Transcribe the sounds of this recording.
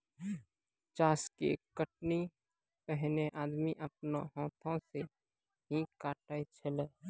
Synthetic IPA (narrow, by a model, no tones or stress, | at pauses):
t͡ʃaːskḛkəʈni | pəɦneʔaːd̪miʔəpnõɦɔ̃ːt̪ʰõse | ɦikaːʈaːit͡ʃʰəleː